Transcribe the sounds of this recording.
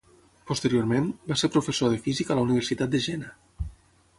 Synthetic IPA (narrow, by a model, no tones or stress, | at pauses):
post̪əɾioɾmembaseɾpɾufesoðəfizikaələuniβ̞ərsit̪at̪̚d̪əʒɛna